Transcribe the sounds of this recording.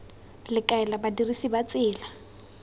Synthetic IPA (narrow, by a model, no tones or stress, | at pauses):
lɪkʼaɛlabadirisibat͡sʼɪːla